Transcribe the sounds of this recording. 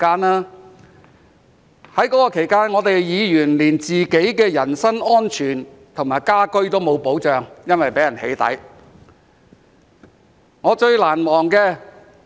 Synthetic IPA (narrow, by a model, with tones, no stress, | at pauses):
kaː˥naː˥ | hɐ˨˥jkɔː˨˥kɔː˧kʰe˨˩jkaː˥nŋɔː˨˧t̪e˨jjiː˨˧jyː˨˩nliː˨˩nt͡siː˨ke˨˥jkɛː˧jɐ˨˩nsɐ˥ŋɔː˥nt͡ʃʰyː˨˩n | t̪ʰʊ˨˩ŋmaː˨˩jkaː˥kɵ˥ɥt̪o˥wmo˨˧wpo˨˥wt͡ʃœː˨˧ŋjɐ˥nwɐ˨jpe˨˥jɐ˨˩nhe˨˥jt̪ɐ̰˨˥j | ŋɔː˨˧t͡ʃɵ˧ɥlaː˨˩nmɔː˨˩ŋkɛː˧